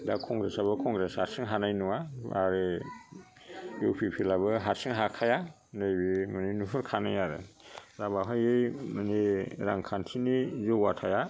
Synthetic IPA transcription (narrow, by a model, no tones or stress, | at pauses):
dakʰɔŋɡɾesaβɯkʰɔŋɡɾeshaɾsɯŋɦanajnuwaaɾɯ | jupʰipʰilaβɯɦaɾsɯŋɦakʰaja | nɯjbimɯninupʰɯɾkʰanajaɾɯ̰ | zabaɦajɯjmaniɾaŋkʰantʰinizuwatʰaja